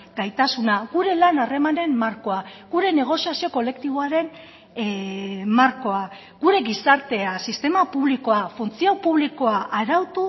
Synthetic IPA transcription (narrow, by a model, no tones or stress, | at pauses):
ɡ̥ajt̪asunaɣuɾe̞lanare̞mane̞mmaɾko̞aɣuɾe̞ne̞ɣ̞o̞siasio̞ko̞le̞kt̪iβ̞o̞aɾe̞n | maɾko̞a | ɣ̥uɾe̞ɣisaɾt̪e̞asist̪e̞mapuβ̞liko̞afunt͡siawpuβliko̞aʔaɾawt̪u